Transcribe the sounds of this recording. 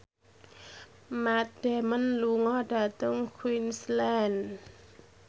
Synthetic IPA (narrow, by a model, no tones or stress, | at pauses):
mat̪̚dɛmanluŋɔdat̪ɔŋkʰwinslɛn